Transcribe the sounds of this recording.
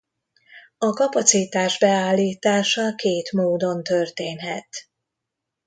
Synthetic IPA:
ɒkɒpɒt̪sit̪aːʒbɛaːlːiːt̪aːʃɒkeːt̪moːd̪o̞nt̪ørt̪eːnɦɛt̪

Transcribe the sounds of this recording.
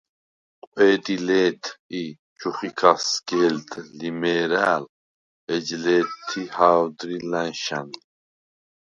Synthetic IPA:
qʼwɛːd̪ilɛːt̪ʰi | t͡ʃʰuχikʰasɡɛld̪ʼːimɛɾaːl | ɛd͡ʒlɛːt̪ʰːihawd̪ɾilanʃan

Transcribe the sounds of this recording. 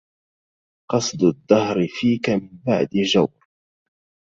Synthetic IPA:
qɑsˤd̪ʊd̪ːɑhɾfiːkamɪmba̰ʕd̪ɪd͡ʒawɾ

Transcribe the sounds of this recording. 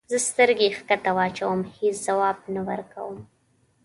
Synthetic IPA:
zəst̪əɾɡexkat̪awɑt͡ʃawəmheszawɑːbnawəɾka̰wəm

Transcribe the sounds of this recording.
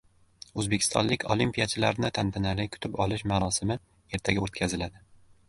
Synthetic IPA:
ɵzbekʲʰɪ̥st̪ʰɒ̰nlɪkʲʰolimpijat͡ʃʰɪlaɾnɪt̪ʰant̪ʰanalɪkʲʰʊ̥t̪ʰɪpɒlˠɪʃmaɾɒsɪmɪ | e̞ɾt̪ʰaɡʲaot̪̚kʲʰazɪlad̪ɪ

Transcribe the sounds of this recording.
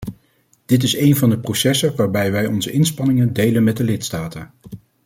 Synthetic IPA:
d̥ɪt̬ɪsejnvɑndəprosɛsəʋaːɹbɛjʋɛjɔnzəʔɪnspɑnɪŋəndejlənmɛt̚dəlɪtstaːtən

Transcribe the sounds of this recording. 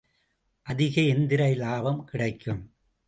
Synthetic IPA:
ʔɐðɪɣɐɛnd̪ɪɾɐɪlaːbɐmkɪɽɐɪkːɯm

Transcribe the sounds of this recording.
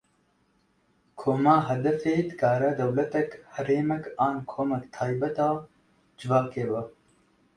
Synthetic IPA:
kʰoːmaːɦɐd̪ɐfeːd̪ɨkaːɾɐd̪ɐwlɐt̪ɐkhɐɾeːmɐkaːnkʰoːmɐkt̪ʰaːjbɐt̪aː | d͡ʒɪvaːkeːbɐ

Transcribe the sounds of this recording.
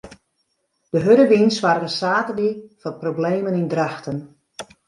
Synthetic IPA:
d̥əɦøɾəʋinsʋaɾərəsaːtəlifɔt̚probleːmənindraxtən

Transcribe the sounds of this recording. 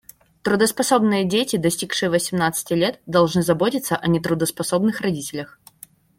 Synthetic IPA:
t̪ɾʊd̪əspɐso̞bnɨjədʲetʲɪd̪ɐsʲtʲikʂɨjəvəsʲɪmnat̪sɨ̥tʲɪlʲet̪̚d̪ɐlˠʐnɨzɐbotʲɪt̪sːəʔɐnʲɪt̪ɾʊd̪əspɐso̞bnɨxrɐdʲitʲɪlʲəx

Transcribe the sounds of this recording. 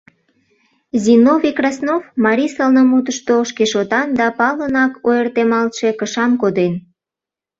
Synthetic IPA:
zinovikrɑsnovmɑɾʲisɑlnəmut̪əʃt̪oʃkeʃot̪ɑnd̪ɑpɑlənɑkojərt̪emɑlt̪ʃe̽kəʃɑmkod̪en

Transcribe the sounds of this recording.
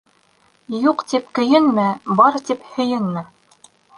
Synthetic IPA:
juqt̪ip̚kɵ̆jɘnmɘbɑɾt̪iphɵ̆jɘnmɘ

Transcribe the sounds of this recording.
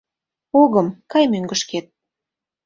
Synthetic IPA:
oɣə̆mkɑjmøŋɡə̆ʃket̪̚

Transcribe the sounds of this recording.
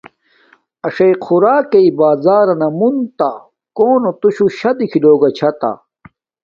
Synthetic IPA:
ɐʂɐjqʰuɾaːkeibaːzaːɾɐnɐmunt̪a | koːnot̪uɕuɕɐd̪ikʰiloːɡɐt͡ɕʰɐt̪a̰

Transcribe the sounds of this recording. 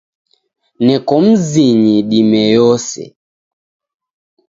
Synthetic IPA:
nɛkɔm̩ziɲiɗimɛjɔsɛ̰

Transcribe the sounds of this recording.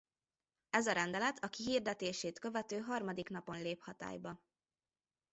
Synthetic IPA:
ɛzɒɾɛnd̪ɛlɛt̪ʰɒkiɦird̪ɛt̪eːʃeːt̪kø̞vɛt̪øːɦɒrmɒd̪ikn̪ɒpo̞nleːphɒt̪a̰ːjbɒ

